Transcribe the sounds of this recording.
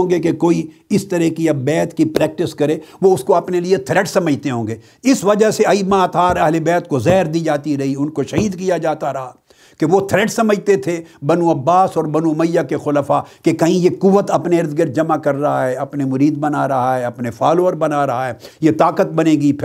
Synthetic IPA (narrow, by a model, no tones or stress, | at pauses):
õːɡekekoːiɪst̪ɐɾɛɦkiɐbbɛːt̪kipɾɛːk̚ʈɪskɐɾeːʋoʊskoɐpneliet̪ʰɾɛːʈsɐməd͡ʒt̪eɦõːɡeː | ɪsʋɐd͡ʒəɦseɐiːmat̪ʰaːɾɐɦlebɛːt̪kozɛːɾd̪iːd͡ʒaːt̪iɾɐɦiʊnkoʃɐɦiːd̪kijad͡ʒaːt̪aɾɐɦa | keʋot̪ʰɾɛːʈsɐməd͡ʒt̪et̪ʰebɐnuɐbːaːsɔːɾbɐnuməjːakexʊlafakekɐɦĩjekʊʋət̪ɐpneɐɾzɡəɾd͡ʒɐmakɐɾːɐɦaɦɛɐpnemʊɾiːd̪̚bɐnaɾɐɦaɦɛɐpnefaːloːəɾbɐnaɾɐɦaɦɛːjet̪aːkət̪̚bɐnẽːɡipʰɪ